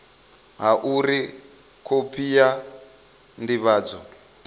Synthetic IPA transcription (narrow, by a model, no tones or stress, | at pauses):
ɦaʔuɾi | kʰopʰija | ndiβaːd͡zɔ